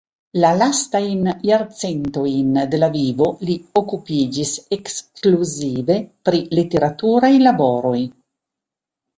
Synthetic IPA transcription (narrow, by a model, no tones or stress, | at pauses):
lalast̪ajnjaɾt͡sent̪o̞jnd̪e̞lavivo̞liokupid͡ʒisekskluzive̞pɾilit̪e̞ɾat̪uɾajlaboɾo̞j